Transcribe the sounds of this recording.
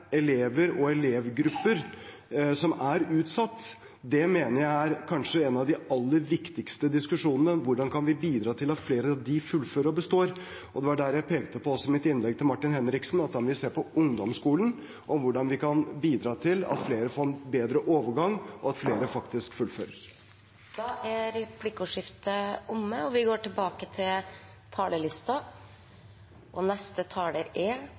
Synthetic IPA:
ɛleːʋəɾɔɛleːʋɡɾʉpːəɾ | sɔmæɾʉːt̪sɑt̪ː | d̪ɛmeːnəɾjæɪæɾkʰɑnʂəɛnɑʋd̪ɪɑlːəɾʋɪkt̪ɪkst̪əd̪ɪskʉʂuːnənəʋʊɖɑnkʰɑnʋɪbiːd̪ɾɑːt̪ʰɪlɑt̪fleːɾəd̪ɪfʉlføːɾəɔbəst̪oːɾ | ʔɔd̪ɛʋɑɖæɾjæɪpʰeːɡt̪əpɔɔsːɔɪmɪt̪ɪnlɛɡ̚t̪ʰɪlmɑʈːɪnhɛnɾɪksn̩ɑt̪̚d̪ɛnʋɪseːɾpɔʊŋd̪ɔmskuːlən | ʔɔmʋʊɖɑnʋɪkɑnbiːd̪ɾɑːt̪ʰɪlɑ̰t̪fleːɾəfoːɾbeːd̪ɾəʔoːʋəɾɡɑŋːʔɔɑt̪fleːɾəfɑkt̪ɪskfʉlføːɾəɾ | d̪̥ɑːʔæɾɛpʰlɪkʊʂɪft̪əʊmːəɔʋɪɡoːʈɪlbɑːkət̪ʰɪl | t̪ʰɑːləlɪst̪ɑ | ʔɔnɛst̪ət̪ʰɑːləɾeː

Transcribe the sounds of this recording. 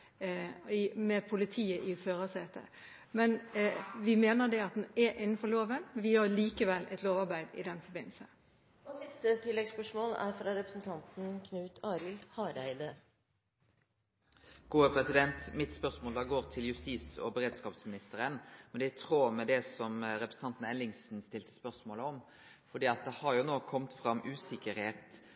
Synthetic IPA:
ɪmɛpʰʊlɪt̪ʰiːəʔɪføːɾɑseːt̪ʰə̰ | mɛnʋɪmeːnəd̪ɛɑt̪̚d̪ɛnɛʔɪnːn̩fɔɾɭoːʋənʋɪhɑɭiːkəʋɛlːʔɛ̰t̪loːʋɑɾbæɪd̪ɪ̰d̪ɛnfɔɾbɪnːl̩sə | ɪt̪ət̪ʰɪlːɛɡspœʂmoːlæ̰ɾfɾɑɾɛpɾəsn̩t̪ʰɑnt̪n̩kʰnʉːt̪ʰɑːɾɪlhɑːɾæ̰ɪd̪ə | ɡ̥uːəpʰɾɛsɪd̪ɛnt̪mɪt̪spœʁsmoːld̪ɑːɡoːʁt̪ʰɪljʉst̪iːsɔ̰bəɾeːd̪skɑːpsmɪnɪst̪əɾənmɛnd̪ɛæt̪ʰɾoːmɛd̪ɛsɔmɾɛpɾəsn̩ɑnt̪n̩ɛnlɪŋsn̩st̪ɪlt̪ə̥spœʁsmoːləɔm | fɔd̪iːɑt̪̚d̪ɛhɑɾjʊnoːkʰɔmt̪fɾɑmʔʉːsɪkəɾheːt̪

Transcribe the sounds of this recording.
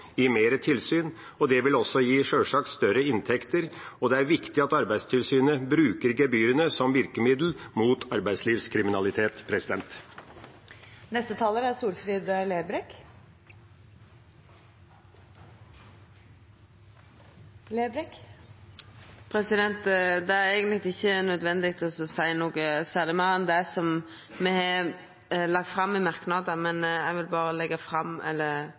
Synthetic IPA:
jiːmeːɾət̪ʰɪlsyːn | ɔd̪ɛʋɪlɔsːɔjiːʂøːʂɑːkst̪œɾəɪnt̪ʰɛkt̪əɾɔd̪ɛæɾʋɪkt̪ɪɑt̪ɑɾbæɪd̪st̪ʰɪlsyːnəbɾʉːkəɾɡɛbyːɾənəsɔmʋɪɾkəmɪd̪l̩muːt̪ʰɑɾbæɪsliːʋskʰɾɪmɪnɑlɪt̪ʰeːt̪pʰɾɛsɪd̪ɛnt̪ | nɛst̪ət̪ʰɑːləɾæsuːɾfɾiːd̪leːbɾɛk | leːbɾɛk | pʰɾɛsɪd̪ɛnt̪d̪ɛæɾæɪɡənlɪɡ̪̚ɪçːənœd̪ʋɛnd̪ɪɡ̚t̪ʰɔsɔsæɪnuːɡəsæːʁlɪmɑɛnd̪æsɔm | mɛɛ | lɑɡ̚t̪fɾɑmːɪmɑɾknɑd̪əmɛnæɪʋɪlbɑːɾəlɛɡːəfɾɑmʔɛ̰lːəɾ

